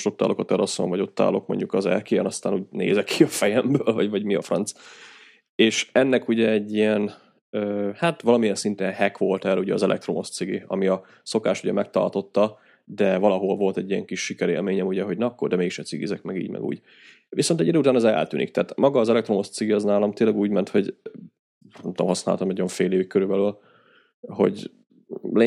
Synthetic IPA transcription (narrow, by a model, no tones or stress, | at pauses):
ʃo̞t̪ːa̰ːlʔo̞kɒt̪ɛlɒso̰ɱvɒ̰ɟo̞t̪ːa̰ːlo̞̰kmo̞̰ɲɟukɒzɛ̰lkeːɛnɒst̪aːnuːɟnḛːzɛkʰːiɒfɛjɛmbøːlvɒɟvɒɟmiɒfrɒ̰nt̪s | eːʃɛnːɛkuɟɛɛɟːijɛn | øːhat̪ʋɒlɒmijɛnsint̪ɛnhɛkʋo̞lt̪ɛrɛuɟɛɒzɛlʔɛ̰k̚t̪ɾo̞mo̞st̪siɡiɒ̰miɒ | so̞kaːʃuɟɛmɛk̚t̪ɒ̰rt̪o̞t̪ːɒ | d̪ɛvɒlɒɦo̞lvo̞lt̪ɛɟːiɛ̰ŋkiʃːikɛɾḛːlmeːɲɛmuɟɛɦo̞ɟnɛɒkːord̪ɛmeːkiʃɛt̪sḭɡḭzɛkmɛɡḭːɟmɛ̰ɡṵːɟ | ʋiso̞nt̪ɛɟid̪øːut̪aːnɒzɛɛ̰lt̪y̰ːnḭkt̪ɛːt̪mɒɡɒːzɛlɛk̚t̪ɾo̞mo̞st̪siɡiɒznaːlɒmt̪eːnlɛɡuːɟmɛnt̪ho̞ɟ | nɛmt̪o̰mɦɒsna̰ːlt̪ɒmnjoɱfeːleːvikkøɾybɛlyl | ho̞̰ɟ | le